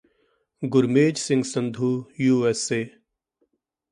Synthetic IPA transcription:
ɡʊɾmeːd͡ʒsɪ̃ŋɡsənd̪ʱuːjuːɛseː

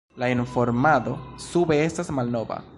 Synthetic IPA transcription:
lainfo̞ɾmado̞sube̞e̞stasmalno̞va̰

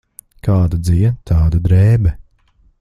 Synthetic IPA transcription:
kaːd̪ɐd̪ziɛnt̪ʰaːd̪ɐd̪ɾɛːbɛ

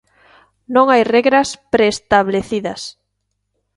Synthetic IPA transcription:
nõŋajreɣɾɐspɾeːst̪aβleθiðɐs

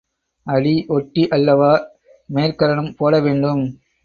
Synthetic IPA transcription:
ɐɭiʔɔʈːiʔɐlːɐʋaː | meːɾkɐɾɐɳɯmpoːlɐʋeːɳɖɯm

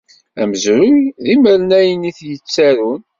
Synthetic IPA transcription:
æ̰məzɾʊjðiməɾnæjəniθjət͡sːæɾun

